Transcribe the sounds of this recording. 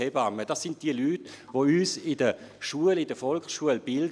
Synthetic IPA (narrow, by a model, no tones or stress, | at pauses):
ebɑmːəd̥ɑsːɪnt̚d̥iəlyːtʋoyːsɪdə | ʃuəlɪdəfɔlksʃuəlb̥ɪld